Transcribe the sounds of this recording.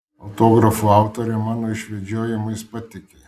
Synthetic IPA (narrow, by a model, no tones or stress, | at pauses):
ɐʊt̪oːɡɾɐfuɑˑʊt̪oːɾʲɛmɑːnoːɪʃʲʋʲɛd͡ʒʲoːjɪmɐjspɐt̪ʲɪkʲe